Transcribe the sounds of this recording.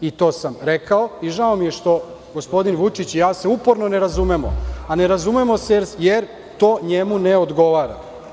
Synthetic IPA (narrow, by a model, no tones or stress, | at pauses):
it̪o̞ːsamɾekaoiʒaomije̞ʃt̪o̞ | ɡo̞spo̞d̪inʋut͡ʂit͡ɕijaːse̞upo̞ɾnoneɾazumemo̰ane̞ɾazumemo̞sejɾjeɾ | t̪o̞ːɲemuneod̪ɡo̞ʋaːɾa̰